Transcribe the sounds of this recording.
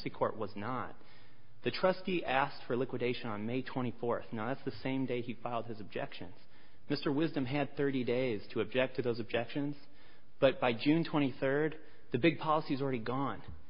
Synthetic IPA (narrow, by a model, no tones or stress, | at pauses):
sikʰɔɹʔ̚wʌznət̪̚ | ðɨtʰɹ̥ʌskiʔæstfə˞lɪkwɨdeɪʃɨ̃nə̃nmeɪtʰw̥ɛ̃ɾ̃ifɔɹθnaʊðætsðɨsẽɪ̃mdeɪifaɪlˠd̚ɨzɨb̚d͡ʒɛ̰kʃɨ̰̃nz̥ | mɪstə˞wɪzdɨ̃mɨd̪̚θɜ˞ɾideɪz̥tʰɨɨb̚d͡ʒɛk̚tʰɨðoʊzb̚d͡ʒɛkʃɨ̃nz̥ | b̥ʌt̚b̥aɪd͡ʒʉ̃ntʰw̥ɛ̃ɾ̃iθɜ˞d̪̚ | ðɨbɪɡ̚pʰɑlˠəsiɨzl̩ˠɹɛɾiɡɔ̃n